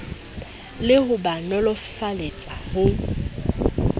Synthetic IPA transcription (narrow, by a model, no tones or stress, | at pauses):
lɪhʊbanɔlɔfalet͡sʼahʊ